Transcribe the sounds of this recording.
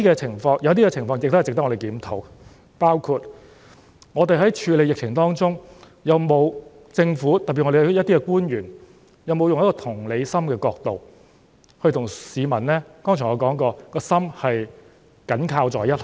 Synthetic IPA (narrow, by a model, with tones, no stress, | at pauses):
i˥kɛː˧t͡sʰɪ˨˩ŋfɔː˧ŋjɐ˨˧wt̪̬iː˥kɛː˧t͡sʰɪ˨˩ŋfɔː˧ŋjɪ˨k̚t̪ht͡sɪk̚t̪ɐ˥kŋɔ˧e˨jkiː˨˥mt̪ʰo̰˨˥w | paː˥wkʰuː˧t̚ | ŋɔː˨˧t̪e˨jɦɐ˨˥jt͡ʃʰyː˨˧le˨˧jɪ˨k̚t͡sʰɪ˨˩ŋt̪ɔː˥ŋt͡sʊ˥ŋ | jɐ˨wmo˨˧w | t͡sɪ˧ŋfuː˨˥t̪ɐ˨p̚piː˨ŋɔ˧˥e˨jjɐ˥t̪ːi˥kɛ˧kuː˥njyː˨˩n | jɐ˨˧wmo˨˧wjʊ˨ŋjɐ˥kɔː˧t̪ʰʊ˨˩ŋle˨˧jsɐ˥mkɛː˧kɔː˧k̚t̪o˨w | hɵ˧t̪ʰʊ˨˩ŋsiː˨˧mɐ˨˩nlɛː˥kɔː˥ŋt͡ʃʰœː˨˩ŋɔ˧kɔː˨˥ŋkɔː˧kɔː˧sɐ˥mhɐ˨j | kɐ˨˥nkʰaː˧wt͡sɔː˨jɐ˥t̚h